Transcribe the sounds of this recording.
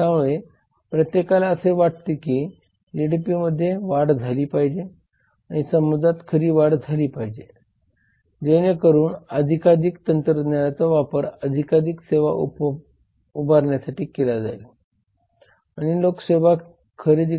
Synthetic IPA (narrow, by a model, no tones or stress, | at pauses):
t̪amoɭe | pɾət̪jekalaəseʋaʈ̚t̪ekiː | d͡ʒiɽipiməd̪ʱːjeʋaɽd͡zʱaliːpaɦid͡ʑe | aɽ̃isəmud͡zʱat̪kʰəɾiːʋaɽd͡zʱaliːpaɦid͡ʑe | d͡ʑeñekəɾuːnəd̪ʱikad͡ʑikt̪ənt̪ɾəd̪njaat͡sɔʋapəɾəd̪ʱikaɾiːkseʋa̰ʔṵ | ubʱaɾɳjasaʈiːkelad͡za̰jl | aɽ̃ilokseʋa | kʰəɾid̪